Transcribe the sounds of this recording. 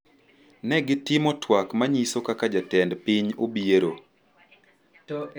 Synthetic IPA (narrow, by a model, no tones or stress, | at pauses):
nɛɡɪtɪmɔtwakmaɲisokakad͡ʒatɛndpiɲobieɾo